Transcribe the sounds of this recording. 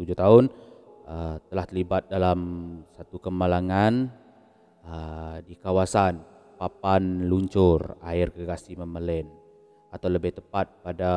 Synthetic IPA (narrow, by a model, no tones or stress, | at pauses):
t̪ud͡ʒʊt̪aʊnət̪əlaht̪əɾlibat̪̚dalamsat̪ukəmalaŋan | ədikawasan | papanluɲt͡ʃʊraɪrɡəɡasiməməlɛn | at̪awləbɪht̪əpat̪̚pada